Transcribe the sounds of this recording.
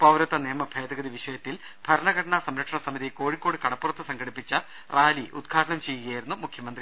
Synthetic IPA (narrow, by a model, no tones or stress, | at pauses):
pɐwɾɐt̪ːɐneːmɐbʱeːd̪ɐɡɐðiʋiʂɐjɐt̪ːil | bʱɐɾɐɳɐɡɐʈɐɳɐsɐmɾɐkʂɐɳɐsɐmiðiko̞ːɻikːo̞ːɽikɐɽɐpːurɐt̪ːɨsɐŋɡɐɽipːit͡ɕːɐ | raːliʔṵd̪ɡʰʱaːʈɐɳɐmt͡ɕe̞jːuɣɐajiɾunːumukʰjɐmɐnd̪ri